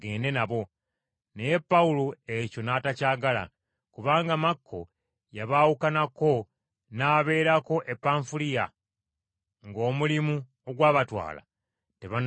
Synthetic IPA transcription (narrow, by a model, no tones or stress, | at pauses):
ɡeːnde̞naβo̞ | ne̞je̞pːauloe̞co̞naːtacaːɡala̰ | kuβaːŋɡamakʰːo̞̰ | jaβaːwukanako̞ | naːβe̞ːɾako̞ʔepːaɱfulija | ŋɡo̞ːmulimu | oɡwaːβatwa̰ːla̰ | te̞βan